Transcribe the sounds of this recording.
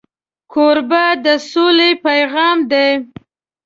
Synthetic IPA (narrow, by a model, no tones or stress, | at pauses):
kʰoɾbad̪əsolepajɣɑmd̪e